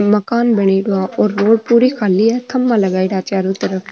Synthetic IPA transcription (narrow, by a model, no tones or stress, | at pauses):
mɐkaːnbɐɽ̃iɖʊaʔoːɾːoːɽpuːɾikʰaːliat̪ʰɐmːãlɐɡaːiɽaːt͡ʃaːɾut̪ɐɾəf